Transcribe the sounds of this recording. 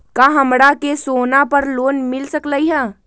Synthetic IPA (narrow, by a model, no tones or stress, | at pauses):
kaɦəmɽakesoːnapəɾloːnmɪlsəkləiɦɛ